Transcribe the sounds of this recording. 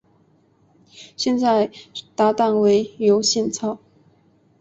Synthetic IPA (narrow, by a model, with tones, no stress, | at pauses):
ɕjɛ˥˧nt͡sa˥˩ɪt̪a˧˥t̪a˥˩nwe˧˥ɪjo˧˥ʊɕjɛ˥˧nt͡sʰɑ˥˩ʊ